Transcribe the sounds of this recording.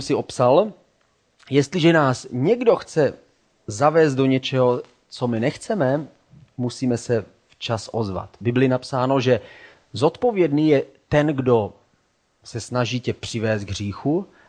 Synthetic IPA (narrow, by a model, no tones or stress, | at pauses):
msɪo̞psal | jɛst̪lɪʒɛnaːsɲɛɡdo̞xt͡sɛ | zavɛːst̪̚do̞ɲɛt͡ʃɛɦo | t͡so̞mɪnɛxt͡sɛmɛ | musiːmɛsɛ | ft͡ʃasʔozva̰t̪bɪblɪnapsaːno̞ʒɛ | zo̞t̪po̞vjɛdniːjɛt̪ɛnɡdo̞ | sɛsnaʒiːcɛpr̥ɪvɛːst̪ɡɦriːxu